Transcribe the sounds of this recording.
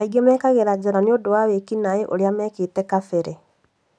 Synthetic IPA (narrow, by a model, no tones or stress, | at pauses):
aiɡɛmɛkaɣeɾad͡ʑeɾaneodowawekinaeʔoɾeamɛːketɛkafeɾɛ